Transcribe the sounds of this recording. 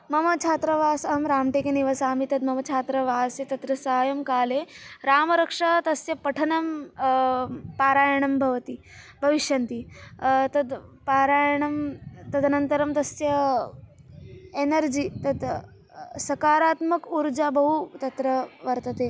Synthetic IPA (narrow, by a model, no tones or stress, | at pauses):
mɐmɐt͡ʃʰaːt̪ɾɐʋaːsɐɦɐmɾaːmʈeːkeniʋɐsaːmit̪ɐd̪mɐmɐt͡ʃʰaːt̪ɾɐʋaːset̪ɐt̪ɾɐsɐɦaːjɐmkaːleɾaːmɐɾɐkʂaːt̪ɐsjɐpɐʈʰɐnɐm | paːɾaːjɐɳɐmbʱɐʋɐt̪i | bʱɐʋiʃjɐnt̪it̪ɐd̪paːɾaːjɳɐmt̪ɐd̪ʱnɐnt̪ɐɾɐmt̪ɐsjɐ | enɐɾd͡ʒiːt̪ɐd̪ | sɐkaːɾaːt̪mɐkuɾd͡ʒaːbɐɦut̪ɐt̪ɾɐʋɐɾt̪ɐt̪eː